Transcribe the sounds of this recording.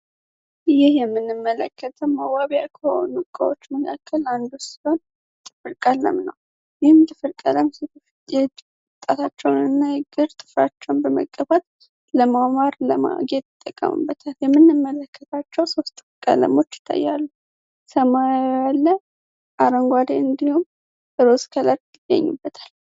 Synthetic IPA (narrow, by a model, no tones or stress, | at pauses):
jɪhjɛmːɨnːɨmːələ̰kːət̪ʰəmːəwaβjakʰəho̰nukʼːə̰wo̞t͡ʃːməkʰakʰːəland̪ussiho̞n | t̪ʼɨfɨɾkʼalːə̰mnə̰w | jɪhɨmt̪ʼɨfɨɾkʼələms | jɛ | ɨt̪ʼːat̪ʰat͡ʃːɛwnɨnːajɪɡɨɾt̪ʼɨfɾat͡ʃːɛwnbəmə̰kʼːəβat̪ | ləmamaɾləma̰ɡet̪ɪt̪ʼːəkʼːə̰mɨ̰bːət̪ʰaljɛmːɨnːɨmːələkʰːət̪ʰat͡ʃːɛwso̞st̪ʼːɨ̥fɨɾkʼə̰lə̰mo̞t͡ʃːɪ̥t̪ʰʼːa̰jːalːu | səmajalːə | ʔaɾəŋɡʷad̪eɨnd̪ihum | əɾoskʰələɾɡɨd̪ə̰ɲːṵbːət̪ʰḁl